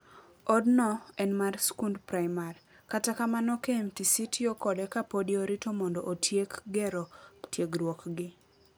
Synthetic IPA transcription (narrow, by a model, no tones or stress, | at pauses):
ɔdnɔɛnmarskundpɾajmaɾ | katakamanɔkemtisitʰiokɔdɛkapodioɾɪtomɔndɔʔotʰjekɡɛɾɔtjeɡɾwɔkɡɪ